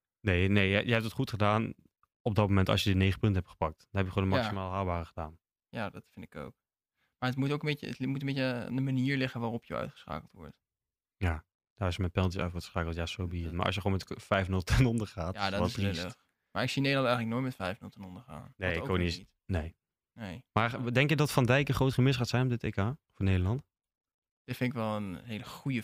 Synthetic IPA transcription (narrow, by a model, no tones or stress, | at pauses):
nejnejjəjəɦɛp̚tətχutχədaːn | ɔb̚dɔt̚momɛntɑ̰sjədənejχəpɵntəɦɛptχə̥pɑk̚td̥ɔnɦɛpjəkχondəmɑksimaːlˠɦaːlˠbaːrəχədaːn | jadɑtfɪntɪko̰wk̚ | maːɹətmutowkəmbeəə̰tmutəmbejəa̰ndəmaniːɹlɪχənʋaːrɔpʰjə̰œ̰ɥtχə̥sχa̰ːkəl̩ˠtʋɔ̰ɹt | ja | d̥aːɹɪsjəmɛnpɛlˠtəsœ̰ɥtχəsχaːkəl̩ˠtjasowbiətma̰ːʔɑ̰s̬jəχonmɛtfɛjfnɵlˠtɛnɔndəχaːtjaːdɔsil | maːɹɪksinejdlɑntɛjχələknojtmɛtfɛjfnəlˠtɛnɔndəɹχa̰ːnnejɪkkʋoni | nej | nejmaːdɛŋkjədɑtfɑndɛjkəχrowtχəmɪsχaːtsɛjnɔpdɪteːkaːfʊːɹnejdəlɑnt | d̥ɪtfɪnɪkʋɛlˠənɦejləχujə